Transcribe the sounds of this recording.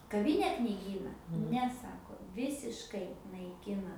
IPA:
kɐˈʋʲiːnʲɛ knʲɪˈɡʲiːnɐ ˈnʲɛ ˈsɑːkoː ˈʋʲɪsʲɪʃkɐɪ nɐɪˈkʲɪnɐ

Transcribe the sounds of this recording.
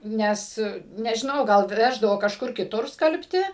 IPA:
ˈnʲɛs nʲɛʒʲɪˈnɐʊ ɡɐlˠ ˈʋʲæːʒdɐʋoː kɐʃˈkʊr kʲɪˈtʊr ˈskɐlʲpʲtʲɪ

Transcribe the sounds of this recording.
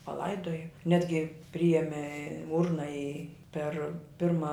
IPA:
pɐˈlˠɐɪdoːjɛ ˈnʲæːdʲɡʲɪ ˈpʲrʲɪjɛmʲɛ ˈʊrnɐ ɪ pʲɛr ˈpʲɪrmɐ

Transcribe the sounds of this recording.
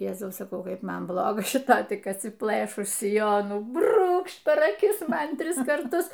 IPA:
ˈjæːzɐʊ sɐˈkɐʊ ˈkɐɪp ˈmɐn ˈblˠoːɡɐ ʃʲɪˈtɐ tʲɪk ɐtʲsʲɪˈplˠɘʃʊs sʲɪˈjoːnuː ˈbruːkʃt pʲɛr ɐˈkʲɪs ˈmɐn ˈtʲrʲɪs kɐrˈtʊs

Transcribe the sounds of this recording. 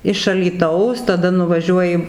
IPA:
ɪʃ ɐlʲiːˈtɐʊs tɐˈdɐ nʊʋɐˈʒʲuɔjɪ

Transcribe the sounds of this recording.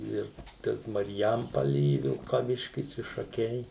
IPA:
ˈɪr ˈtɐs mɐrʲˈjɛmpɐlʲɪ ɪ ʋʲɪlˠkɐˈʋʲɪʃʲkʲɪs ɪ ʃɐˈkʲɛɪ

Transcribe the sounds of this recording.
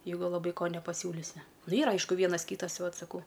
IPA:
jɛɪˈɡʊ lˠɐˈbɐɪ ˈkoː nʲɛpɐˈsʲuːlʲɪsʲɪ ˈnʊ ˈiːrɐ ˈɐɪʃkʊ ˈʋʲiɛnɐs ˈkʲiːtɐs tʲɪ ˈʋɐt sɐˈkɐʊ

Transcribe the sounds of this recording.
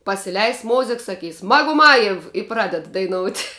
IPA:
pɐsʲɪˈlʲɛɪs ˈmoːzʲɪk sɐˈkʲiːs mɐɡʊˈmɑːjɛw ɪ ˈprɑːdʲɛt dɐɪˈnoːʊtʲ

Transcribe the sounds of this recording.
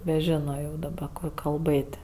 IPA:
nʲɛˈʒʲɪnoː jɛʊ dɐˈbɐ ˈkoː kɐlˠˈbɘtʲ

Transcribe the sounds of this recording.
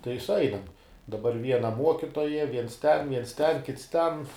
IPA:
tɐɪ sʊˈɐɪnɐm dɐˈbɐr ˈʋʲiɛnɐ ˈmuɔkʲɪtoːjɛ ˈʋʲiɛns ˈtʲɛn ˈʋʲiɛns ˈtʲɛn ˈkʲɪts ˈtʲɛn

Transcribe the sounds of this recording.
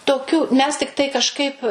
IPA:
toːˈkʲuː mʲɛs tʲɪkˈtɐɪ kɐʃˈkɐɪp

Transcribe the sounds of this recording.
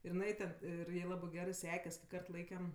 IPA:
ɪr ɪˈnɐɪ tʲɛn ˈɪr ˈjɛɪ ˈlˠɑːbɜ ˈɡʲæːrɜ ˈsʲæːkʲɛs kʲɪ ˈkɐrt ˈlˠɐɪkʲɛm

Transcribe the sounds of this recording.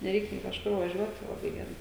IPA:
nʲɛˈrʲɛɪk nʲeː kɐʃˈkʊr ʋɐˈʒʲuɔt tɐɪ lˠɐˈbɐɪ ɡʲɛˈrɐɪ

